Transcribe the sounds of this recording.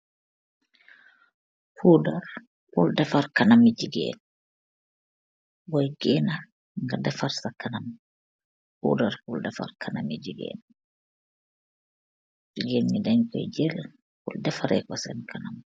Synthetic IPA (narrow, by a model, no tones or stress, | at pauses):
huːdaɾ | huldɛfaɾkanamid͡ʒiɡɛ̰ːn | wɔjɡɛːna | ŋɡadɛfaɾsakanam | hṵːdaɾhuldɛfa̰ɾkʰanamid͡ʒiɡɛ̰ːn | d͡ʒiɡenmidaɲkɔ̰jd͡ʒɛl | hɔ̰ldɛfaɾʔɛ̰kɔsɛnkʰanam